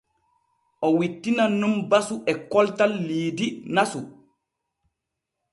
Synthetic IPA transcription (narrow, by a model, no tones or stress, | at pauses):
ʔɔwitːinanumbasuʔɛkɔltalːiːdinasu